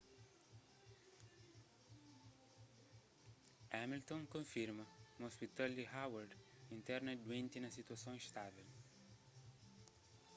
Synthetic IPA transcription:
ɛmilt̪õŋkõfiɾmɐũospit̪ald̪ihawaɾd̪ĩnt̪ɛɾnɐd̪uẽnt̪inɐsit̪uɐsõiʃt̪avɛl

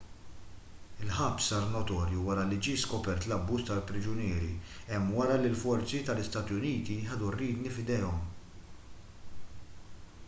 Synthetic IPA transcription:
ɪlħɐpsɐɾnɔt̪ɔːɾjuwɐɾɐlid͡ʒiːskɔpɛɾt̪lɐbːuːst̪ɐlpɾɪd͡ʒʊnɪːɾiɛmːwɐɾɐlɪlfɔɾt͡sit̪ɐlɪst̪ɐːt̪jʊniːt̪iħɛd̪ɔrːiːd̪nifɪd̪ɛːɔm

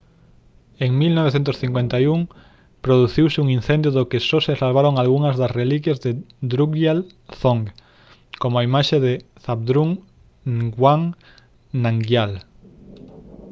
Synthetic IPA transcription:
eŋmilnɔβ̞eθent̪ʊsθiŋkwent̪ajuŋ | pɾoðuθiwsɪuŋin̟θend̪jʊðʊkɪsosesalβ̞aɾoŋalɣuŋɐzðɐsrelik̬jezðɪ | d̪ɾuɡjal | θoŋɡ | komʊaimaʃeðɪθaβd̪ɾuŋ | ɡwaŋ | naŋɡjal

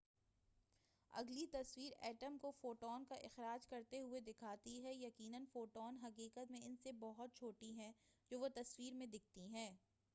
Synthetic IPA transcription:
ɐ̰ɡlit̪ɐswiːɾɛ̰ːʈəmkofoːʈɔːnkaʔɪxɾaːd͡ʒkɐɾt̪eɦʊed̪ɪkʰaːt̪iɦɛjɐkiːnənfoːʈɔːnɦɐqiːqət̪mẽɪnsebɔɦʊt̪̚t͡ʃʰoːʈiɦɛ̃d͡ʒoːʋot̪ɐswiːɾmẽd̪ɪk̚ʰt̪iɦɛ̃ː

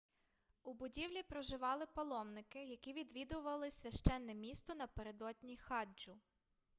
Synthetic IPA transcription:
ubʊdʲiwlʲipɾɔʒɪʋɑlˠɪpɔlˠɔmnɪkɪjɐkʲiʋʲid̪ʋʲid̪ʊʋɐlˠɪsʲʋʲɐʃt͡ʃɛnːɛmʲist̪ɔnɐpeɾed̪ɔd̪ʲnʲixɑd͡ʒʊ

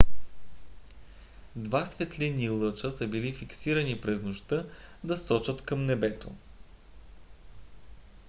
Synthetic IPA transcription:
d̪vasvɛt̪linilˠɤt͡ʃəsəbilifiksiɾənipɾɛznoʃt̪ɤd̪ɐsɔt͡ʃət̪kɐmnɛbɛt̪o

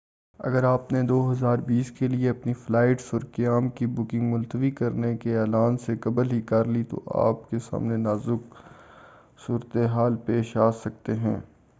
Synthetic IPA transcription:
ɐ̰ɡəɾaːpned̪oːɦɐzaːɾbiːskelieɐpniflaːɪʈsɔːɾkɐjaːmkibʊkɪ̃ŋɡmʊlt̪əʋikɐɾnekeɛːlaːnsekɐbəlɦikɐɾlit̪o̰ʔa̰ːpkesa̰ːmnenaːzʊk | suːɾət̪eɦaːlpeːʃaːsɐk̚t̪eɦɛ̃ː

